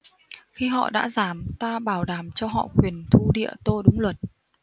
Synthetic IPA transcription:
xi˧ɦɔ̰˧˨ɗa̰ː˧˥zaː˨˩mt̪aː˧ɓaː˧˩wɗaː˨˩mt͡ɕɔ˧ɦɔ̰˧˨kwi˨˩ənt̪ʰu˧ɗḭ˧˨ət̪o˧ɗʊ˨˦ŋ͡mlwə˨˩t̚

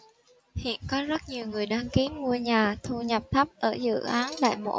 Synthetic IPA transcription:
hḭ˧˨ənkɔ˨˦zə˦˥t̚ɲi˨˩əwŋɨ˨˩əjɗaː˧ŋki˨˦ənmu˧əɲaː˨˩t̪ʰu˧ɲə˨˩p̚t̪ʰə˦˥p̚ʔəː˧˩zɨ̰˧˨ʔaː˨˦nla̰ː˧˨jmo̰˧˥

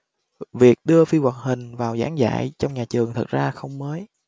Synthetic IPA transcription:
vi˨˩ək̚ɗɨ˧əfi˧wa˨˩t̚hï˨˩ŋ̟vaː˨˩wza̰ː˨˦ŋza̰ː˧˨jt͡ɕɔ˧wŋ͡mɲaː˨˩t͡ɕɨ˨˩əŋt̪ʰə˨˩t̚z̥aː˧xə˧wŋ͡mməː˨˦j

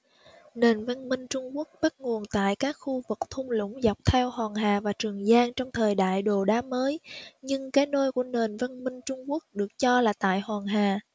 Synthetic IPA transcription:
ne˨˩nvə˧nmï˧ŋ̟t͡ɕʊ˧ŋ͡mku˦˥ək̚ɓə˦˥t̚ŋu˨˩ənt̪a̰ː˧˨jkaː˦˥k̚xu˧vɨ˨˩k̚t̪ʰʊ˧ŋ͡mlʊ̰˧˥ŋ͡mza˨˩wk͡p̚t̪ʰɛ˧whwaː˨˩ŋɦaː˨˩vaː˨˩t͡ɕɨ˨˩əŋzaː˧nt͡ɕɔ˧wŋ͡mt̪ʰəː˨˩jɗa̰ː˧˨jɗo˨˩ɗaː˨˦məː˨˦jɲɨ˧ŋkaː˨˦jno˧jku˧˩əne˨˩nvə˧nmï˧ŋ̟t͡ɕʊ˧ŋ͡mku˦˥ək̚ɗɨ˨˩ək̚t͡ɕɔ˧laː˨˩t̪a̰ː˧˨jhwaː˨˩ŋɦaː˨˩

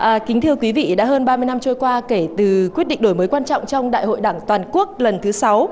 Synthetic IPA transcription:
ʔəː˨˩kï˨˦ŋ̟t̪ʰi˧əwkwi˨˦vḭ˧˨ɗa̰ː˧˥ɦəː˧nɓaː˧mɨ˧əjna˧mt͡ɕo˧jkwaː˧ke˧˩t̪ɨ˨˩kwi˦˥t̚ɗḭ̈˧˨ŋɗo˧˩jməː˨˦jkwaː˧nt͡ɕɔ̰˧˨ŋ͡mt͡ɕɔ˧wŋ͡mɗa̰ː˧˨jɦo̰˧˨jɗaː˧˩ŋt̪waː˨˩nku˦˥ək̚lə˨˩nt̪ʰɨ˨˦sa˨˦w

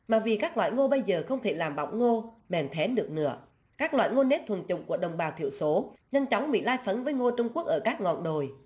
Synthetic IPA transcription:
maː˨˩vi˨˩kaː˦˥k̚lwa̰ː˧˨jŋo˧ɓə˧jzəː˨˩xə˧wŋ͡mt̪ʰe˧˩laː˨˩mɓa̰˧˨wŋ͡mŋo˧ | mɛ˨˩nt̪ʰɛ˨˦ɗɨ˨˩ək̚nɨ̰˧˥ə | kaː˦˥k̚lwa̰ː˧˨jŋo˧ne˦˥t̚t̪ʰwə˨˩t͡ɕʊ̰˧˨ŋ͡mku˧˩əɗə˨˩wŋ͡mɓaː˨˩wt̪ʰi˧˨əwso˨˦ɲə˧nt͡ɕɔ˨˦wŋ͡mɓḭ˧˨laː˧jfə˨˦nvəː˨˦jŋo˧t͡ɕʊ˧ŋ͡mku˦˥ək̚ʔəː˧˩kaː˦˥k̚ŋɔ̰˧˨nɗo˨˩j

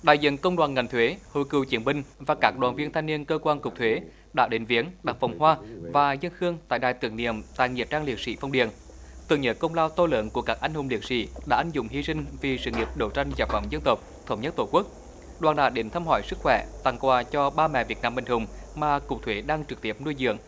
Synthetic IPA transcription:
ɗa̰ː˧˨jzḭ˧˨nkə˧wŋ͡mɗwaː˨˩nŋa˨˩jŋ̟t̪ʰwe˨˦ho˧˨˩jkɨ˨˩t͡ɕi˨˦ənɓï˨ŋ̟vaː˨˩kaː˦˥k̚ɗwaː˨˩nvi˧ənt̪ʰa˧jŋ̟ni˧ənkəː˧kwaː˧nkʊ˨˩k͡p̚t̪ʰwe˨˦ | ɗaː˧˥ɗe˨˦nvi˨˦ənɗa˨˩ŋ̚fa˨˩wŋ͡mhwaː˧vaː˨˩zə˧nxɨ˧əŋt̪a̰ː˧˨jɗaː˧˨jt̪ɨ̰˨˩ŋnḭ˧˨əmt̪a̰ː˧˨jŋi˨˩ət̚t͡ɕaː˧ŋli˨˩ək̚sḭ˧˥fa˧wŋ͡mɗḭ˨˩ən | t̪ɨ˨əŋɲə̰˧˥n̚kə˧wŋ͡mlaː˧wt̪o˧lə̰ː˧˨˦nku˧˩əkaː˦˥k̚ʔa˧jŋhʊ˨˩ŋ͡mli˨˩ək̚sḭ˧˥ɗa̰ː˧˥ʔa˧jŋzʊ̰˧˥ŋ͡mhi˧sï˧ŋ̟vi˨˩sɨ̰˧˨ŋi˨˩əp̚ɗə˧˩wt͡ɕa˧jŋ̟zaː˨˩fə̰˧˩ŋ͡mzə˧nt̪ə˨˩k͡p̚t̪ʰə˧wŋ͡mɲə˦˥t̚t̪o˧˩kwu˦˥k̚ | ɗwaː˨˩nɗa̰ː˧˦ɗe˨˦nt̪ʰaː˧mhɔ̰˧˩jsɨ˦˥k̚xwɛ̰˧˩t̪a˨˩ŋkwaː˧˩t͡ɕɔ˧ɓaː˧mɛ̰˧˨vi˨˩ət̚naː˧mɓï˨˩ŋ̟hʊ˨˩ŋ͡mmaː˨˩kʊ˨˩k͡p̚t̪ʰwe˨˦ɗaː˧ŋt͡ɕɨ˨˩k̚t̪i˦˥əp̚nu˧jzɨ̰˧˨əŋ

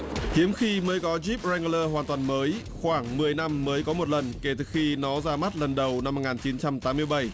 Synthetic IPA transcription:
hi˨˦əmxi˧məː˨˦jkɔ˨˦zi˦˥p̚zɛ˧ŋ˧ləː˧ɦwaː˨˩nt̪waː˨˩nməː˨˦j | xwaː˧˩ŋmɨ˨˩əjna˧mːəː˨˦jkɔ˨˦mo˨˩t̚lə˨˩nke˧˩t̪ɨ˨˩xi˧nɔ˨˦zaː˧ma˦˥t̚lə˨˩nɗə˨˩wna˧m̚ː˨˩ŋaː˨˩nt͡ɕi˨˦nt͡ɕa˧mt̪aː˨˦mːɨ˧əjɓa˧˩j

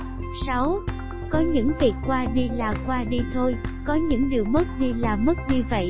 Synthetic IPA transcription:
sa˨˦w | kɔ˨˦ɲɨ̰˧˥ŋvi˨˩ət̚kwaː˧ɗi˧laː˨˩kwaː˧ɗi˧t̪ʰo˧jkɔ˨˦ɲɨ̰˧˥ŋɗi˨˩əwmə˦˥t̚ɗi˧laː˨˩mə˦˥t̚ɲɨ˧və̰˧˨jʔ

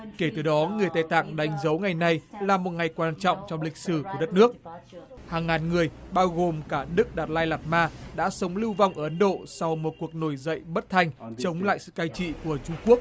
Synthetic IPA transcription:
ke˧˩t̪ɨ˨˩ɗɔ˨˦ŋɨ˨˩əjt̪aː˧˩jt̪a̰ː˧˨ŋɗa˨˦jŋ̟zə˨˦wŋa˨˩jna˨˧jlaː˨˩mo˨˩t̚ŋa˨˩jkwaː˧nt͡ɕɔ̰˧˨wŋ͡mt͡ɕɔ˧wŋ͡mlï˨˩k̟̚sɨ˧˩ku˧˩əɗə˦˥t̚nɨ˦˥ək̚ | haː˨˩ŋːaː˨˩nŋɨ˨˩əjɓaː˧wɣo˨˩mkaː˧˩nɨ˦˥k̚ɗaː˨˩t̚laː˧jlaː˨˩t̚maː˧ɗa̰ː˧˥sə˨˦wŋ͡mlɨ˧wva˧wŋ͡mʔəː˧˩ʔə˨˦nɗo̰˧˨sɔ˧wmo˨˩t̚ku˨˩ək̚no˧˩jzə̰˧˨jɓə˦˥t̚t̪ʰa˧jŋ̟t͡ɕə˨˦wŋ͡mla̰ː˧˨jsɨ̰˧˨kaː˧jt͡ɕḭ˧˨ku˧˩ət͡ɕʊ˧ŋ͡mku˦˥ək̚

